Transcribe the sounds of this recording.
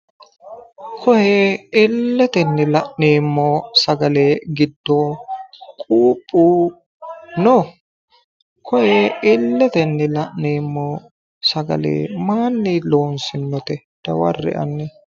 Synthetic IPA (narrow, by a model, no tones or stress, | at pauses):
kʰɔheːɪlːɛt̪ɛnːɪlɐʔneːmːoːsɐɡɐleːɡɪd̪ːoːkʼuːpʼːuː | no | kʰɔheːɪlːɛt̪ɛnːɪlɐʔneːmːɔ | sɐɡɐ̰lḛːmaːnːilo̞ːnsɪnːɔt̪ɛ | d̪̥ɐwɐ̰rːɛ̰ʔɐ̰nːɛ